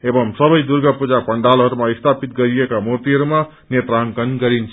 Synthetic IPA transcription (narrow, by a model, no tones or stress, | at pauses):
ebəmsəbəjd̪uɾɡapud͡ʒapəɳɖalɦəɾmaist̪ʰapit̪̚ɡəɾijekamot̪iəɾma | net̪ɾaŋkənɡəɾint͡ʃʰ